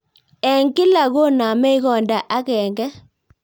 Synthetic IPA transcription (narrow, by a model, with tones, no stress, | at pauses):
ɛ˨ŋkɪ˦la˨ɣo˦na˨mɛ˦i˦ɣɔ˨nda˨ʔa˦kɛ˨ŋɡɛ˦